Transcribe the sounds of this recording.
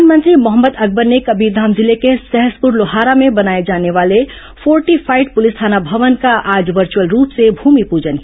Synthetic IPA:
nmə̃nt̪ɾimʊɦəmːəd̪ɐɡ̚bəɾnekɐbiːɾd̪ʱaːmzɪlekesɛɦəspuɾloɦaːɾamẽbɐnaːed͡ʒaːneʋaːle | fʰɔːɾʈifʰaːɪɖ̚pʊlɪst̪ʰaːnabʱɐʋənkaʔaːd͡ʒʋəɾt͡ʃuwəlɾuːpsebʱuːmipuːd͡ʒənki

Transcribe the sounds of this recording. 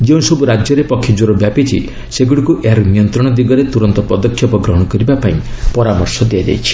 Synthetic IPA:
d͡ʒeũsɔbuɾad͡ʒjɔɾepɔkʰːjɔd͡ʒoɾɔbjapit͡ʃʰḭ | seɡuɽikuʔeaɾunijɔnt̪ɾɔɽ̃ɔd̪iɡɔɾet̪uɾɔnt̪ɔpɔd̪ɔkʰjɔpɔɡɾɔɦɔɽ̃ɔkɔɾibapaĩpɔɾamɔɾsɔd̪iad͡ʒa̰jt͡ʃʰi̥

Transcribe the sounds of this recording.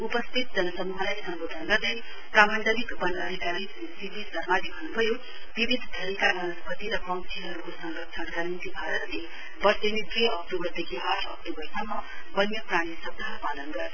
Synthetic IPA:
upʌst̪ʰit̪̚d͡zʌnʌsʌmuɦʌlajsʌmbod̪ʱʌnɡʌrd̪e | prabʌnd͡zʌnikbʌnʌd̪ʱikaɾi | sipisʌrmalibʱʌnːubʱʌjo | b̥ibʱid̪ʱːd̪ʱʌlikamʌnʌspʌt̪iɾʌpʌŋsʰiɦʌɾukosʌŋɡʌkt͡ʃʰʌnɡʌɾint̪ibʱaɾʌt̪le | bʌrsenit̪ɾiʌk̚ʈobʌrd̪ekʰiaʈʰʌ̰k̚ʈobʌrsʌmːʌbʌnjʌpraɽ̃isʌb̚d̪ʱaɦʌɾupalʌnɡʌrd̪

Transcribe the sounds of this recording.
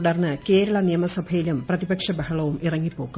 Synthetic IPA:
ɽɐrnːɨke̞ːɾɐɭɐnijɐmɐsɐbʱʰɐjilumprɐðibɐkʂɐbɐhɐɭɐʋumirɐŋːipːo̞ːɣːu

